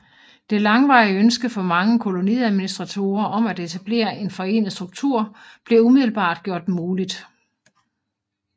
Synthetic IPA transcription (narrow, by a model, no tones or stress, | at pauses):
d̥e̝lɑ̈ŋʋɑ̈ɪəønsɡ̥əfɒ̽mɑ̈ŋəkʰo̝lo̝niæðˠminisd̥ʁɑ̈t͡sʰo̝̰ːɐʔɒ̽mæd̥e̝t͡sʰæb̥le̝̰ːɐʔe̝nfɒ̽e̝̰ːnð̩ˠsd̥ʁuɡ̥̚t͡sʰuɐ̰ | b̥le̝umiðˠl̩b̥ɑ̰̈ːd̥̚ɡ̥jo̝ɐ̰d̥muːlid̥